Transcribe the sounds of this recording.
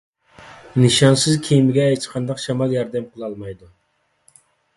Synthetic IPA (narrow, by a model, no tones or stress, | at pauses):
nɨʃɑnsɨzkʲʰejmɪɡʲɛːt͡ʃqʰɑnd̪ɑqʃɑmɑlˠjɑɾd̪ɛmqʰəlˠɑlˠmɑjd̪u